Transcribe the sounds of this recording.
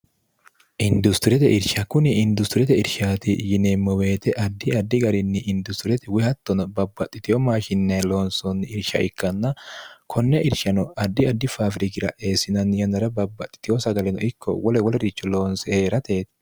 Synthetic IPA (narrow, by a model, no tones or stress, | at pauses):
ʔɪnd̪ʊst̪ɪɾɛt̪ɛʔɪɾʃɐkʊnɪɪnd̪ʊst̪ɪɾɛt̪ɛɪɾʃaːt̪ɪjɪnemːɔwe̞ːt̪ɛʔɐd̪ːɪɐd̪ːɪɡɐɾɪnːɪʔɪnd̪ʊst̪ɪɾɛt̪ɛwɪhɐt̪ːɔnɔbɐbːɐt̪ʼːɪt̪ɪjɔmaːʃɪnːeloːnsɔnːɪɪɾʃɐ̰ʔɪkːɐnːɐkʰɔnːɛʔɪɾʃɐnɔɐd̪ːɪɐd̪ːɪfaːfɾɪkɪɾɐ̰ʔeːsɪnɐnjɐnɐɾɐbɐbːɐt̪ʼːɪ̥t̪ɪjosɐɡɐlɛnɔɪkːɔ̰wɔlɛwɔlɛɾɪt͡ʃːɔloːnsɛheːɾɐt̪eːt̪ɪ̥